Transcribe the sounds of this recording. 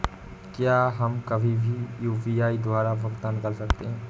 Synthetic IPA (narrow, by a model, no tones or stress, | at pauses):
kjaːɦɐmkɐbʱibʱijuːpiaːid̪waːɾabɐkt̪ankɐɾsɐkt̪eɦɛ̃ː